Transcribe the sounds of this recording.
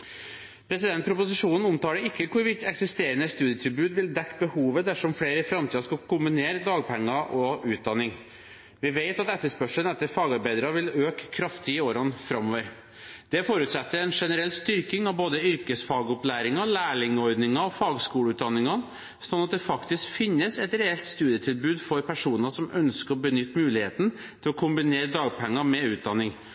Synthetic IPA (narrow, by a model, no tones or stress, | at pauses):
pʰɾɛsɪd̪ɛnt̪pɾʊpʊsɪʂuːnn̩ʊmt̪ɑːɖəɪkːəkʰʊɾʋɪt̪ːɛksɪst̪eːɾənəst̪ʉːd̪ɪət̪ʰɪlbʉːd̪ʋɪld̪ɛkːbəhuːʋəd̪æʂɔmfleːɾəfɾɑmt̪iːɑʂkɑkʰʊmbɪneːɾəd̪ɑːɡ̚pʰɛŋːɑʔɔʉːt̪̚d̪ɑnːɪŋ | ʋɪʋeɪt̪ɑt̪ɛt̪ːəʂpœʂənɛt̪ːəɾfɑːɡɑɾbæɪd̪ɾɑʋɪløːkkʰːɾɑft̪ʰɪoːɾɑnfɾɑmːoːʋəɾ | d̪̥ɛfoːɾʉːt̪sɛt̪ːəɾɛnʂɛnəɾɛlːst̪ʏɾkɪŋɑʋboːd̪əʏɾkəsfɑːɡʊplæːɾɪŋɑlæːɭɪŋɔɾd̪nɪŋɑɔfɑːɡskuːləʉːt̪d̪ɑnːɪŋɑ | sɔnːɑt̪̚d̪ɛfɑkt̪ɪskfɪnːəsɛt̪ɾɛɛlt̪st̪ʉːd̪ɪjət̪ʰɪlbʉːd̪fɔɾpʰæʂuːnɑʂɔmʔœnskəɾɔbənʏt̪ːmʉːlɪheːt̪n̩ | t̪ʰɪlɔkʰʊmbɪneːɾd̪ɑːɡpʰɛŋːɑmɛʉːt̪̚d̪ɑnːɪŋ